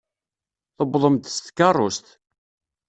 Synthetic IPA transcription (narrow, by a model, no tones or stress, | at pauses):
θəbðˤəmt̪st̪kːɑrˤːost̪